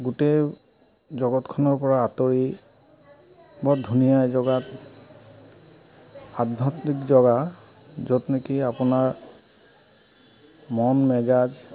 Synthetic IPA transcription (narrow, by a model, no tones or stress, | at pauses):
ɡutej | zɔɡɔtkʰɔnɔɹpɔɹaːtoɹi | badʱunijajzɔɡat | ad̚bʱɔtnikzɔɡa | zɔtnekiapʊnaɹ | mɔnmɛd͡ʒad͡ʒ